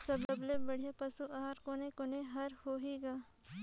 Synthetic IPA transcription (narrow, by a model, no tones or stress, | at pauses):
sɐbɐblebɐɽ̤epɐsuʔaːɾkonekoneɦɐɾhoːɦiɡaː